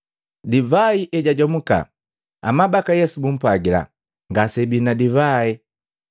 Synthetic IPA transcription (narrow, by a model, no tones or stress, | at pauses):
divaiʔɛɟaɟɔmuka̰ | a̰mabakajɛsubum̩pwaɡila̰ | ŋɡasɛbinadivai